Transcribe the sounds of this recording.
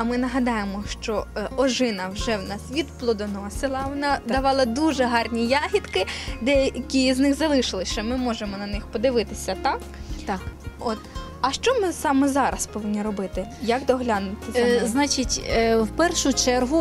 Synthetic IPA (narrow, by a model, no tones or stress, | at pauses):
ɐmɪnɐɦɐd̪ɑjemɔʃt͡ʃɔɔʒɪnɐwʒɛwnɑsʋʲid̪plˠɔd̪ɔnɔsɪlˠɐwɔnɑd̪ɐʋɑlˠɐd̪uʒɛɦɑrnʲijɑɦʲit̪kɪd̪ɛjɐɐkʲiznɪxzɐlˠɪʃɪlˠɪʃt͡ʃɛmɪmɔʒemɔnɐnɪxpɔd̪ɪʋɪt̪ɪsʲɐt̪ɑkt̪ɔt̪ | ɐʃt͡ʃɔmɪsɑmɛzɑɾɐspɔʋɪnʲːiɾɔbɪt̪ɪjɐkd̪ɔɦlʲɑnʊt̪ʲɪsʲznɑt͡ʃɪtʲwpɛrʃʊt͡ʃɛrɦʊ